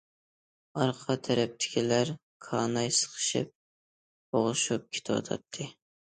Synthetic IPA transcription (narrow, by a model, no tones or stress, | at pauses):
ɑɾqʰɑt̪ʰæɾɛp̚t̪ʰɪ̥kʲʰilæɾ | kʰɑːnɑjsə̥qʰə̥ʃɨ̰p̚ | oʁɨʃup̚kʲʰe̥t̪ʰɪwɑ̰t̪ʰɑ̰t̪ʰːɨ